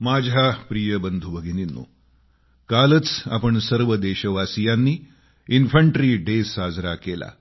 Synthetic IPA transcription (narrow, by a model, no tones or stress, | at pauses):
mad͡ʑʱapɾijəbənd̪ʱubəɡʱininːṵː | kalət͡sa̰pəɳsəɾʋəd̪eɕəʋasijanːiː | infəɳʈɾiɖesad͡zɾakela̰